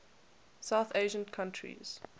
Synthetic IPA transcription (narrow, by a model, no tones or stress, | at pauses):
saʊθeɪʒə̃nkʰãntʰɹḭz̥